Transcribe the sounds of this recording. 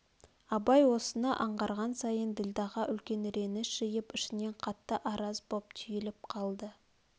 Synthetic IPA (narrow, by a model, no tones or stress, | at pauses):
ɑbɑjwo̞sənɑʔɑɴʁɑɾʁɑnsɑjənd̪ɪld̪ɑʁɑʔʏlkʲe̞nɾe̞nɪsʒ̥ɪjɪpɪʃɪne̞ɴqʰɑt̪ːəʔɑɾɑzbop̚t̪ʰʏjɪlɪp̚qʰɑlˠd̪ə